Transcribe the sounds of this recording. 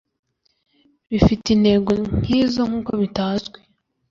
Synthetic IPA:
βifitin̥e̞ɡoŋ̥hiːzo̞ŋ̥uːkoβitaːzɡwe

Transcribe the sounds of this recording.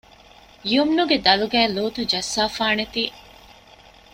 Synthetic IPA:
iumnuɡed̪ɐluɡæːloːt̪ud͡ʒɐsːaːfaːnet̪iː

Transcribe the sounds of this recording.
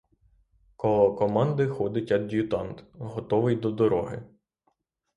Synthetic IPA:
kɔlˠɔkɔmɑnd̪ɪxɔd̪ɪtʲɐd̪dʲijʊt̪ɑnt̪ɦɔt̪ɔʋɪjd̪ɔd̪ɔɾɔɦɪ̰

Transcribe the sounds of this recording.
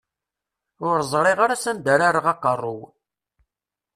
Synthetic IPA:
ʊɾzˤɾˤiʁaɾasənd̪aɾaɾəʁɑqːərˤːʊw

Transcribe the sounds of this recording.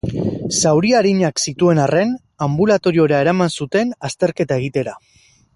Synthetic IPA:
sawɾiaɾiɲaksit̪ue̞nare̞n | ambulat̪o̞ɾio̞ɾae̞ɾamansut̪e̞nast̪e̞ɾke̞t̪aeɣ̞it̪e̞ɾa

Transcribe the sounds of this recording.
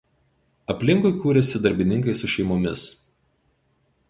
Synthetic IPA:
ɐpʲlʲɪŋkʊɪkuːɾʲɛsʲɪd̪ɐɾʲbʲɪnʲɪŋkɐɪsʊʃʲɛɪmomʲɪs

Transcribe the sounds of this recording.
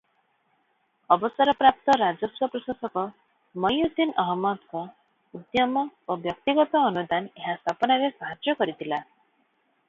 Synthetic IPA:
ɔbɔsaɾɔpɾap̚t̪ɔɾad͡ʒɔswɔpɾɔsasɔkɔ | mɔjud̪inɔɦɔmɔd̪kɔ | ud̪jɔmɔobjɔk̚t̪iɡɔt̪ɔːnud̪aneɦast̪ʰapɔnaɾesaɦad͡ʒjɔkɔɾit̪ʰila

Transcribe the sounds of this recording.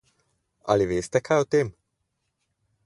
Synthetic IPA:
a̰liʋeːst̪ɛkʰaot̪em

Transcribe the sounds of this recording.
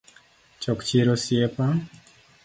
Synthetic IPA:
t͡ʃɔkt͡ʃiɾosjepa

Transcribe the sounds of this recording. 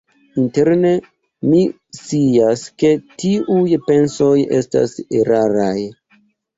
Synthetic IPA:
inte̞ɾne̞ | mi | siaske̞tiujpe̞nso̞je̞̰sta̰seɾaɾaj

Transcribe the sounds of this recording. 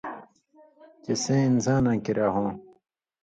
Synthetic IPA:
t͡ɕesẽːinzãːnãːkiɾaːɦõː

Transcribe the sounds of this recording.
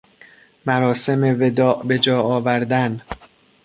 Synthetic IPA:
mæɾɒːse̞meved̪ɒːʔbe̞d͡ʒɒːɒːvæɾd̪æn

